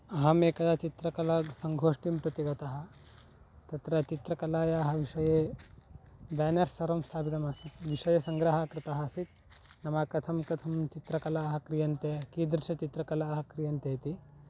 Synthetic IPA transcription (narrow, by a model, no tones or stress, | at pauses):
ɐɦɐmeːkɐd̪at͡ʃit̪ɾɐkɐlɐsɐŋɡʱoːʂʈimpɾɐt̪iɡɐt̪ɐɦɐ̆ | t̪ɐt̪ɾɐt͡ʃit̪ɾɐkɐlaːjaːɦɐʋiʂɐjeː | baːnɐɾsɐɾɐmsaːbid̪ɐmasit̪ʋiʂɐjɐsɐŋɡɾɐɦɐkɾɪt̪ɐɦɐsit̪̚nɐmɐkɐt̪ʰɐmkɐt̪ʰɐmt͡ʃit̪ɾɐkɐlaːɦɐkɾijɐnt̪eːkiːd̪ɾʃɐt͡ʃit̪ɾɐkɐlaːɦɐkɾijɐnt̪eːt̪i